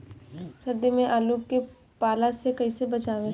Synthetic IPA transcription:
sɐɾd̪imẽʔaːluːp̚ke | paːlasekɐɦisebɐt͡ʃaːʋẽ

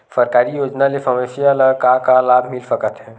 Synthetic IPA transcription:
səɾkaːɾijoːd͡ʒnalefʰəmesijaləkakalaːbʱmɪlsəkət̪ɦɛ̃ː

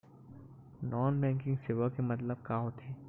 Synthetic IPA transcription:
nɔːnbɛ̃ːŋkɪ̃ŋɡsɪʋakemɐt̪̬ləb̚kaɦot̪ʰeː

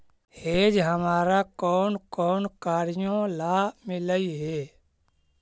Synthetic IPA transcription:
heːd͡ʒɦəmaːɾakɔːnkɔːnkaːɾɪjõlaːmɪləiɦeː

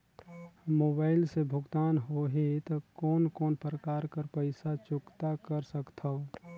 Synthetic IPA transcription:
moːbaːɪlsebʱʊɡt̪aːnɦoːɦet̪okɔːnkɔːnpɾəkaːɾkəɾpəɪsat͡ʃʊkt̪akəɾsəkt̪ʰao

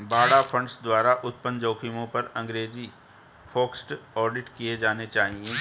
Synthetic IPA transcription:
baːɽapʰɐ̃ɳɖsd̪waːɾaʔʊt̪̚pənd͡ʒoːkʰimõpɐɾɐ̃ŋɡɾeːd͡ʒi | fʰoːksʈɔːɾɖɪʈkied͡ʒaːnet͡ʃaːɦiẽː

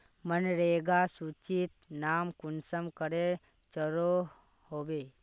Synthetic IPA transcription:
mənɾeːɡasut͡ʃit̪̚naːmkʊnsəmkəɾe | t͡ʃəɾo | hoːbeː

